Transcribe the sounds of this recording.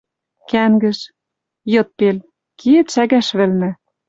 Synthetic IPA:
kæŋɡɘ̆ʃ | jɤ̆t̪̚pel | kiĕt̪ʃæɣæʃβɘ̆lnɘ̆

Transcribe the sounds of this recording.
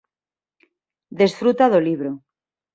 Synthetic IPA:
d̪e̞sfɾut̪aðoliβɾo

